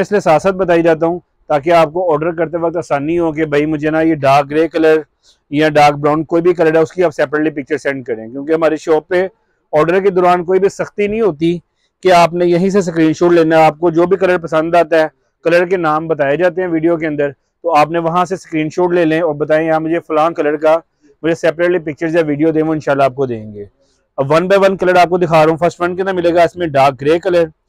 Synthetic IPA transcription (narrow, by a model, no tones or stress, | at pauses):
ɪslesaːsət̪̚bɐt̪̬aːid͡ʒaːt̪̬aɦũː | t̪aːkeaːp̚koɔːɾɖəɾkɐɾt̪eʋɐk̚t̪aːsaːnːiɦõk̬ebʱɐimʊd͡ʒʱenajeɖaːk̚ɾeːkɐləɾ | jaɖaːk̚bɾaːnkoːibʱik̬ɐləɾɛːʊskiaːpsɛːpɾeʈlipɪk̚t͡ʃəɾsɛ̃ːɳɖ̚kɐɾẽːkjõːkeɦɐmaːɾeʃoːpe | ɔːɾɖəɾked̪ɔːɾaːnkoːibʱisɐxt̪inɐɦĩɦoːt̪̬i | keaːpnẽjɐɦĩs̬es̬kɾiːnʃoːʈleːnaaːp̚kod͡ʒoːbʱikɐləɾpɐsə̃nd̪aːt̪aɦɛː | kɐləɾkenaːmbɐt̪aːed͡ʒaːt̪eɦɛ̃ʋiːɖijok̬eɐ̃nd̪əɾ | t̪oaːpnẽʋɐɦãseskɾiːnʃoːʈleːlẽɔːɾbɐt̪aːẽjaːmʊd͡ʒʱefʊlãːkɐləɾka | mʊd͡ʒʱesɛːpɾeːʈlipɪk̚t͡ʃəɾzjaːʋiːɖijod̪ẽːʋoɪnʃaːlːaːp̚kod̪ḛ̃ːŋɡeː | ʋɐnbaːʋɐnkɐləɾaːp̚kod̪ɪkʰaːɾũːfʰɐɾsʈʋɐnkeɐnɾmɪleːɡaɪsmẽɖaːk̚ɡɾeːkɐləɾ